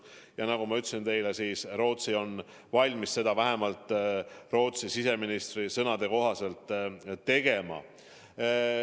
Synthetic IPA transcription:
jɑnɑɡumɑyt̪ːˑsint̪e̞jlesiːsro̞ːt̪sio̞n | vɑlʲmisse̞d̪ɑvæɦe̞mɑlt̪ˑːro̞ːt̪sisise̞minist̪risɤnɑd̪̥e̞ko̞ɦɑse̞lt̪ˑːe̞ɡ̥e̞mɑ̰

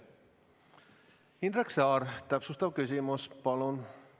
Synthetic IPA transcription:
ind̪ɾeksɑːɾt̪æpsust̪ɑʋkysymuspɑlon

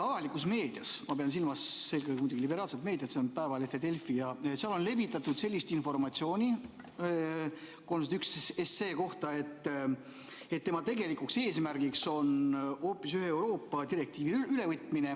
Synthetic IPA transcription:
ɑvɑlikusme̞ːd̪̥ijɑsmɑpeɑns̬ilmɑsːelkejɡemujd̪uɡilibe̞ɾɑːlset̪me̞ːd̪iɑt̪seonpæevɑlefed̪e̞lfijɑseɑlo̞nle̞vit̪ːˑɑt̪ːud̪̥selʲːist̪info̞rmɑt̪ʲsio̞ːnʲi | konset̪yksese̞ːko̞ht̪ɑe̞t̪ː | e̞t̪tːe̞mɑt̪e̞ɡe̞likukse̞ːsmæɾɡ̥ikso̞nho̞ːpːˑisyɦeewɾo̞ːpːˑɑd̪iɾe̞k̚t̪iːviyle̞vɯt̪ːˑmine

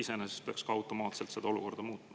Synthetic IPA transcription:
ise̞nese̥speɑkskɑɑwt̪ːˑo̞mɑːt̪se̞lt̪se̞d̪̥ɑo̞lṵko̞rd̪̥ɑmuːt̪mɑ

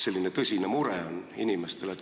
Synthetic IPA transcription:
se̞lːine̞t̪ɤsʲinemuɾeoninimest̪e̞let̪

